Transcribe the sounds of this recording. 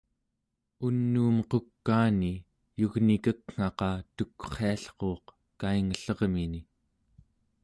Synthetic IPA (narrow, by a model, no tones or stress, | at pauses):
unːuːmqokːaːni | juɣnikəkŋ̥ɑqɑt̪ukːχeaɬqo̞ːq | kaiŋəɬʌʁmini